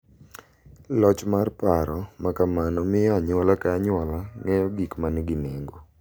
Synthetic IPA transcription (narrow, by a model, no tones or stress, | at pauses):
lɔt͡ʃmarpaɾɔmakamanɔmɪjɔaɲwɔlakaaɲwɔlaŋɛjɔɡikmanɛɡɪneŋɡo